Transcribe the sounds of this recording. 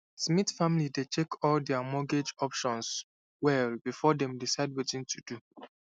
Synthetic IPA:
smitfamilidet͡ʃekʰɔldɛamɔɡed͡ʒɔpʃɔ̃ns | wɛlbifɔdɛ̃mdisaɪd̚wetĩntʰudu

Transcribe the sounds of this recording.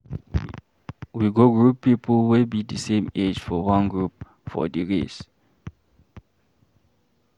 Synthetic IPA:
wiɡoɡɹupːipʰɔlwilbidisẽmed͡ʒfɔwãnɡɹup | fɔ̰diɹḭs

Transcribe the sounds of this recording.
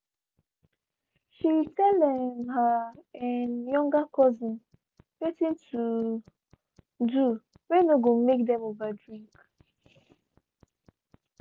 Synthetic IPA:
ʃitɛldɛmɦaɪnjɔ̃ŋɡakɔzɪ̃n | wetĩntʰu | du | wenoɡomekdɛ̃movadɹĩŋk

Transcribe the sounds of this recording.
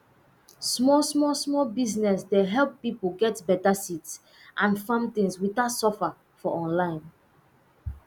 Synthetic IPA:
smɔsmɔsmɔbiznɛsdeɦɛlˠpːipoɡɛtbɛtasits | ʔãnfãmt̪ĩŋswitatsɔfa | fɔʔɔ̃nlãɪ̃n

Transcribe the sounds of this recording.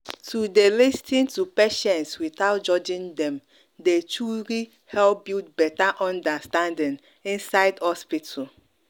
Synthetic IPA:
tʰudelistʰĩntupeʃɛ̃ntswiθaʊtd͡ʒɔd͡ʒĩndɛ̃m | det͡ʃuɾi | hɛlp̚biltbɛtaʔɔ̃ndastãndĩn | ĩnsaɪdhɔspitʰa

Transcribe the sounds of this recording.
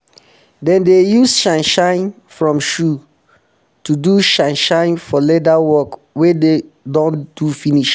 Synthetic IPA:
dɛ̃ndejusʃãnʃãɪ̃n | fɹɔ̃mʃu | tuduʃãnʃãɪ̃nfɔledawɔk | wede | dɔ̃nd̥ufiniʃ

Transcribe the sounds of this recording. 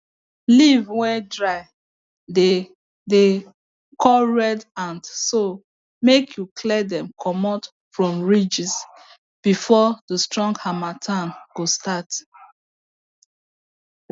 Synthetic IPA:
livwɛdɹaɪ | de | de | kʰɔlɹɛdãndso | mekʰjukʰlɛdɛ̃mkʰɔmɔt | fɹɔ̃mɹid͡ʒis | b̥ifɔdəstɹɔ̃ŋɡhamatʰãnɡ̥ostat

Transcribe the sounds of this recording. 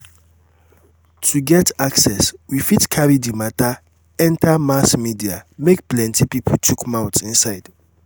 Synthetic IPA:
tʰuɡɛtʰaksɛswifitkʰaɹidimata | ɛ̃ntʰamasmidiamek̚plɛ̃ntipipʰɔtʰukmãwtsĩnsaɪd̥

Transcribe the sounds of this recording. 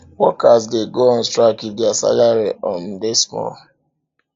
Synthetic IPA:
wɔkasdeɡoɔ̃n̩stɾakidasa̰laɾiʔɔn̩desmɔ̰

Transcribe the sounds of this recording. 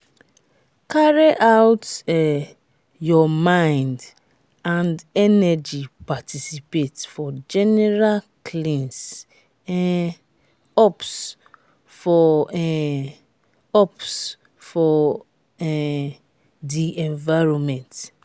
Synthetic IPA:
kaɹiʔawtɛ | jɔmãɪ̃nd | ãndɛnɛd͡ʒipatisipetfɔd͡ʒɛnɛɹalkʰlĩns | ɛ | ɔps | fɔɛ | ɔps | fɔ | ɛ | diʔɛ̃ɱvaɪɹɔ̃mɛ̃nt

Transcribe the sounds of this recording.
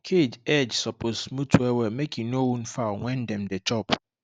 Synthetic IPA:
kʰed͡ʒɛd͡ʒsɔpʰosmũtʰuɛwɛmekʰĩnowũnfawɛ̃ndɛ̃mdɛt͡ʃʰɔp

